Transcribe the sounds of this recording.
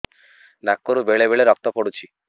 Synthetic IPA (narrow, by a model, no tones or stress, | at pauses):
nakːoɾubeɭebeɭeɾɔk̚t̪ɔpɔɽut͡ʃʰi